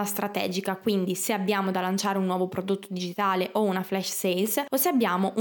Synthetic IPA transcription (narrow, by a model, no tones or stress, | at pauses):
ast̪ɾat̪ɛ̰ːd͡ʒikakwind̪iseabːjaːmod̪alːant͡ʃaːɾeunːwɔːvopɾod̪ot̪ːod̪id͡ʒit̪aːleʔounaflɛʃsejlsoseabːjaːmoʔu